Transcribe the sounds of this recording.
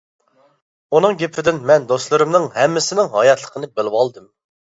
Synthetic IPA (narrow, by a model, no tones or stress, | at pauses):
unɨŋɡʲepʰɪd̪ɪnmɛnd̪oslˠɨɾɨmnɨŋɦɛmːɪsɪnɪŋɦɑjɑt̪lˠə̥qʰənɨbɪlɪwɑlˠd̪ɨm